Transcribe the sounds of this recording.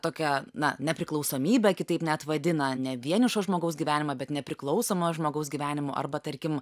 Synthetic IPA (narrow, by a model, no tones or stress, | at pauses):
t̪oːkʲɛnɐnʲɛpʲɾʲɪklˠɐʊsoːmʲiːbʲɛkʲɪt̪ɐɪpnʲɛɐt̪ʋɐd̪ʲɪnɐnʲɛʋʲiɛnʲɪʃoːʒmoːɡɐʊs̬ɡʲiːʋʲæːnʲɪmɐbʲɛt̪nʲɛpʲɾʲɪklˠɐʊsoːmoːʒmoːɡɐʊsɡʲiːʋʲæːnʲɪmoʔɐ̰rbɐt̪ɐɾʲkʲɪm